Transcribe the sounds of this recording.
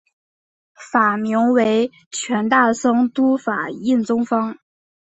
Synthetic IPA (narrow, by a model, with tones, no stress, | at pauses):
fa˨˩mi˧˥ŋwe˧˥ɪ | t͡ɕʰɥɛ˧˥nt̪a˥˩ʂɤ˥ŋt̪u˥fa˨˩i˥˩nt͡sʊ˥ŋfɑ˥ŋ